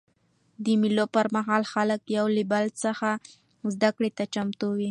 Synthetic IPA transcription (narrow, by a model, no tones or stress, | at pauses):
d̪əmilopəɾmaɦɑlxaləkjawlɪbalsəxa | zd̪akɽet̪at͡ʃamt̪uwi